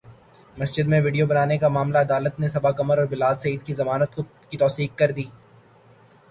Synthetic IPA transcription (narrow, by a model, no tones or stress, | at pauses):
mɐsd͡ʒɪd̪mẽʋɪɖijobɐnaːnekamaːmlaɐd̪aːlət̪nesɐbakɐməɾɔːɾbɪlaːd̪sɐiːd̪̚kizɐmaːnət̪ko | kit̪ɔːsiːkkɐɾd̪iː